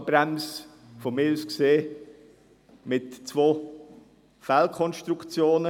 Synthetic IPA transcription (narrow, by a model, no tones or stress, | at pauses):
b̥ɾɛms | fomɪlskseː | mɪtt͡svoː | fælkʰɔnʃtɾukt͡sjoːnə